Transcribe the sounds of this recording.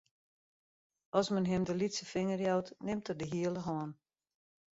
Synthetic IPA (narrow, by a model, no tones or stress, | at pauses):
ʔɔsmənɦɪmdəlitsəfɪŋərjɔwtnɪmtərdəɦiələɦɔːn